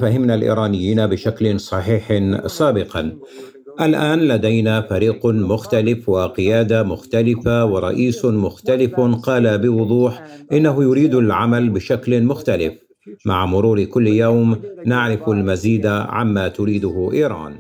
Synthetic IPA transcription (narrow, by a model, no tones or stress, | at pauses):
faɦɪmnalʔḭːɾˤɑːnɪjːiːnabɪʃaklɪnsˤɑħiːħsˤaːbɪqɑn | ʔalʔaːnlad̪ajnafaɾiːqmʊxt̪alɪfwɪqɪjaːd̪amʊxt̪alɪfawɪɾˤɑ̰ʔiːsmʊxt̪alɪfqɑːlabɪwʊd̪ˤuːħʔɪnːaɦʊjʊɾiːd̪alʕamalbɪʃaklmʊxt̪alɪf | maʕmʊɾuːɾkʊlːjawmnaʕɾɪfalmaziːd̪aʕa̰mːaːt̪ʊɾiːd̪ʊhʔiːɾˤɑ̰ːn